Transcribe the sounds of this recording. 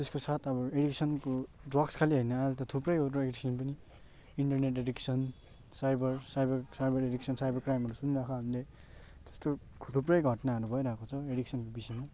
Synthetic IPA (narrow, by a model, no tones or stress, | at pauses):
t̪eskosat̪ʰʌβʌeɽiksʌnkoɖrʌkskʰaliɦʌjnʌalt̪ʌt̪ʰuprʌjotɾoekɾisinpʌni | iɳʈʌrneʈɖeɽiksʌn | sajbʌrsajbʌrsajbʌreɽiksʰʌnsajbʌrkrajmɦʌɾusuniɾakʰoɦamile | t̪e̥st̪o | t̪ʰuprʌjɡʱʌʈnaʌɾubʱʌeɾakot͡sʰʌeɽiksʰʌnkobisʌjma